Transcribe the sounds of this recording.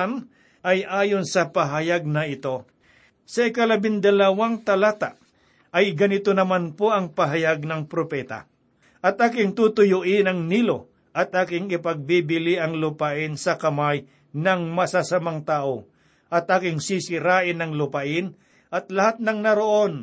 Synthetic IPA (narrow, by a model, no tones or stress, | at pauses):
n | ʔɐjʔaːjo̞nsɐpɐɦɐjaɡ̚nɐʔɪt̪o̞ | sɐɪkɐlɐbɪnd̪ɐlɐwaŋt̪ɐlaːt̪a̰ʔ | ʔɐjɡɐnɪt̪onɐmanpoʔɐŋpɐɦɐjaɡ̚nɐŋpɾopɛːt̪a̰ | ʔɐt̪̚ʔaːkɪŋt̪ut̪ʊjʊʔɪnɐŋniːlo̞ | ʔɐt̪̚ʔaːkɪŋɪpɐɡ̚bibɪlɪʔɐŋlʊpaʔɪnsɐkɐmaj | nɐŋmɐsasamaŋt̪aːʔo | ʔɐt̪̚ʔaːkɪŋsisɪɾaːʔɪnɐŋlʊpaʔɪn | ʔɐt̪̚lɐhat̪̚nɐŋnɐɾoʔo̞n